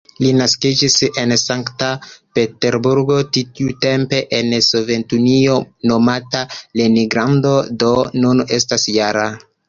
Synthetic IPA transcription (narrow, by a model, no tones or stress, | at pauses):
linaskid͡ʒise̞nsaŋktape̞te̞ɾbuɾɡo̞titiute̞mpe̞ʔensove̞ntunio̞no̞mataleniɡɾando̞do̞nune̞stasjaɾa